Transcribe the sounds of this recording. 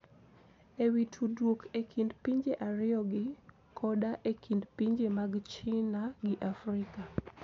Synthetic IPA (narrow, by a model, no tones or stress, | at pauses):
ewitʰudwokʰekʰindpiɲd͡ʒeʔaɾɪjɔɡɪ | kʰɔdaʔekʰindpiɲd͡ʒemaɡt͡ʃɪnaɡɪʔafrɪka